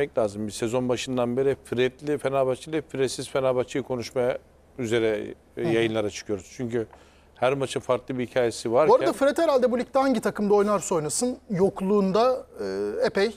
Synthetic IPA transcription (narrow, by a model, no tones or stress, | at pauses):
ɛclʲaːzɯmbisezo̞nbaʃɯnd̪anbe̞ɾifɾɛt̪lʲifenaːbat͡ʃʰɯlʲˠifɾɛsizfenaːbat͡ʃʰɯjkʰo̞nuʃma | yze̞ɾɛ | jajɯnlˠaɾat͡ʃʰɯ̥kʰɯjo̞ɾuz̥t͡ʃʰyɲcʰy | hæɾmat͡ʃʰɯnfaɾklˠɯbihicʰaːje̞sivaɾboɾad̪afɾɛt̪heɾalʲd̪ɛbulʲic̚t̪ɛhaɲɟit̪ʰakɯmd̪ao̞jnaɾso̞j̪nasɯnjo̞klˠuːnd̪aɯepɛj